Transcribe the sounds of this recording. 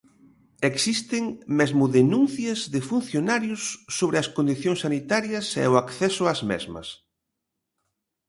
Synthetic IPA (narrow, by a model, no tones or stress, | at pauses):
eksist̪ɪŋmezmʊðenũnθjɐzðɪfun̟θjonaɾjʊsːoβɾɪɐskond̪iθjõŋsanit̪aɾjɐsɛ̰ʊakθɛsʊazmɛ̰zmɐ̰s